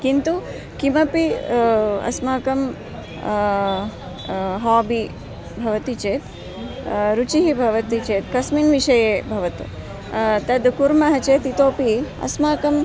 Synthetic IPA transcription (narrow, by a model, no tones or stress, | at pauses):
kint̪u | kimɐpi | ɐ̰smaːkɐm | ɦaːbi | bʱɐʋɐt̪it͡ʃeːt̪ | ɾut͡ʃiɦibʱɐʋɐt̪it͡ʃeːt̪kɐsminʋiʃɐjeːbʱɐʋɐt̪ṵ | t̪ɐd̪kuɾmɐɦɐt͡ʃeːt̪it̪oːpiɐ̰smaːkɐm